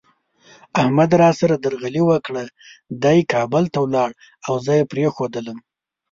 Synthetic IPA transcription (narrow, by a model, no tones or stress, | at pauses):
ahmad̪ɾɑsaɾad̪əɾɣaliwəkɽa | d̪ɑjkɑbəlt̪awlɑɽ | awzəjepɾexod̪ələm